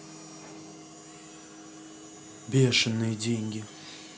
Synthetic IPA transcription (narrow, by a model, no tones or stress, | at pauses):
bʲeʂɨnːɨjədʲeŋʲɡʲɪ